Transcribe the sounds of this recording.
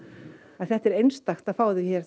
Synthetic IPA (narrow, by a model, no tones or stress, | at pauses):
aðθɛht̪ɛɾejnst̪axt̪aðfaːwðɪçɛːɾ̥